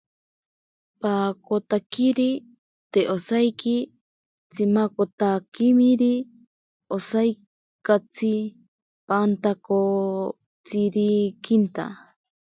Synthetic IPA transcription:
pakot̪akiɾi | t̪eʔosajki | t͡sʰimakot̪akimiɾi | osaj | kat͡sʰi | pant̪ako | t͡siɾikint̪a̰

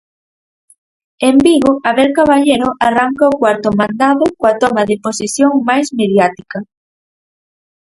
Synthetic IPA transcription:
embiɣʊʔaβeɾkaβaʎeɾʊʔaraŋkaokwaɾt̪ʊmand̪aðʊkoat̪ɔmɐðɪposisjoŋmajsmeðjat̪ikɐ

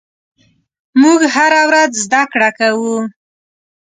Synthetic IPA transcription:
muɡhaɾawɾazzd̪akɽakawu

